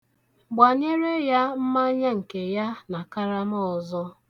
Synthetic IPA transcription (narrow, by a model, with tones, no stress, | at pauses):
ɡ͡ba˨ɲe˦ɾe˦ja˦m̩˦ma˦ɲa˦ŋ̩˨ke˨ja˦na˨ka˦ɾa˦m˦ɔ˨zɔ˦